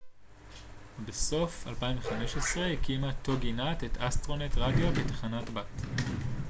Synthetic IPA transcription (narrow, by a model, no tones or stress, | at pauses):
beso̞falpaiɱveχameʃesʁehkimatːo̞ɡinatetʰastʁo̞netʁadjo̞betḁχanatbat